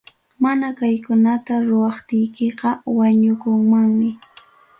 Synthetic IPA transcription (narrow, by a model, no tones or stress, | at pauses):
manakajkʊnat̪aɾʊwɑχt̪ɪjkeqɑwaɲʊkʊŋmaŋmɪ